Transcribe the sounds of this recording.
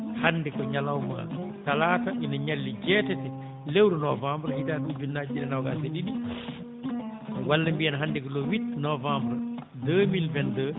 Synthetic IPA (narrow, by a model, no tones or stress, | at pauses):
hanːdɛkɔɲalawma̰talataʔinɔɲalːid͡ʒɛtɛtɛ | lewɾunɔvambɾhidaɗud͡ʒunːad͡ʒiɗɛ̰nawɡa̰seɗidi | walːambijɛnaɦandɛkɔlɔwitnɔvambɾ | dəmilvɛndə